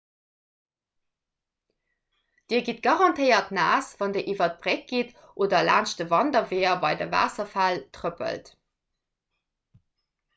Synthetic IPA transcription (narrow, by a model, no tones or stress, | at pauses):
d̥iːɐɡit̚ɡ̥ɑʁɑntʰəɪɐtna̰ːsv̥ɑndeʔivɐt̚b̥ʁek̚ɡ̥it | ʔoːdɐla̰ːnʃtəvɑndɐveːɐbɑɪdə̰va̰ːsɐfæltʁəpə̰lt